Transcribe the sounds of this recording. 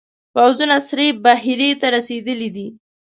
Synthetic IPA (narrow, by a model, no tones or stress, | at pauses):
pawzunasɾebaɦɪɾet̪aɾased̪əlid̪i